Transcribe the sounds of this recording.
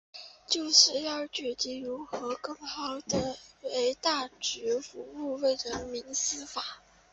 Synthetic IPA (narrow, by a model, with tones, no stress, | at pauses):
t͡ɕjo˥˧ʊʂɻ̩˥˧jɑ˥˧ʊt͡ɕɥɛ˨˩t̪i˧˥ɻu˧˥xɤ˧˥kɤ˥˩ŋxɑ˨˩ʊd̪ə˨˧e˧˥ɪt̪a˥˩t͡ɕy˧˥fu˧˥u˥˧we˥˩ɪɻə˧˥nmi˧˥ŋsɹ̩˥fa˨˩˦